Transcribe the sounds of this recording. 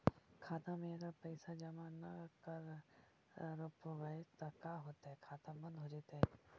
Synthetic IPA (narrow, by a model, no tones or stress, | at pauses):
kʰaːt̪ãmẽːɾapɐɪsad͡ʒɐmãnɐkɐɾ | ɾopʋəet̪ɐkaːɦoːt̪aɦɛkʰaːt̪ãbɐ̃nd̪ɦoːd͡ʒet̪aɦɛ